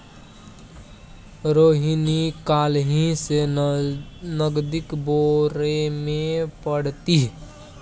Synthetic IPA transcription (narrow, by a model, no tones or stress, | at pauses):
ɾoːɦinikaːlɦĩse | nəɡd̪ɪkboɾemẽpəɽt̪iɦ